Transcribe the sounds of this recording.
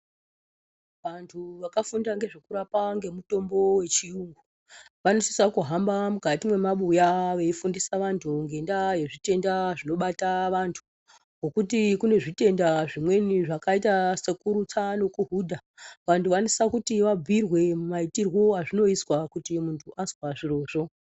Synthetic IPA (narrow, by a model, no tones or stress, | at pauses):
ʋantʰuʋakafundaŋɡe̞ʐekuɾapaŋɡe̞muto̞mbo̞we̞t͡ʃiuŋɡu | ʋanosi̥sakuɦambamukatimwe̞maɓujaʋe̞ifundisaʋantʰuŋɡe̞ndaje̞ʐite̞ndaʐino̞ɓataʋantʰu̥ | ɡo̞kutikune̞ʐite̞ndaʐimwe̞niʐakaitasekuɾut͡sano̞kuɦudʱaʋantʰuʋanosisakutiʋab͡vʱirwe̞mumaitirwo̞ɦaʐino̞iswakutimuntʰuʔazwaʐiro̞ːʐo̞